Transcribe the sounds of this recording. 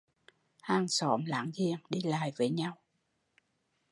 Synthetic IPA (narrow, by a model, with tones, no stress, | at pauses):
haː˧ŋsɔ˧˦mla̰ː˧˩˦ŋzi˧˨əŋɗi˧la̰ː˧˨jvəː˨˦jɲa˧w